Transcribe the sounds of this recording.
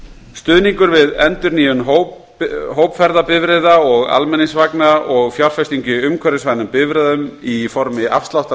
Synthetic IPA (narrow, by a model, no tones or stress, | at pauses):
st̪ʏːðniŋkʏɾvɪðɛnt̪ʏɾniːjʏnɦoːwp | ɦoːwpfɛɾðapɪvɾɛðaɔɣa̰lmɛnːisvaknaɔɣfjawɾ̥fɛst̪iɲcʏʏmkʰvɛɾɪsvajnʏmpɪvɾɛðʏmifɔɾmɪa̰fst̪lawht̪a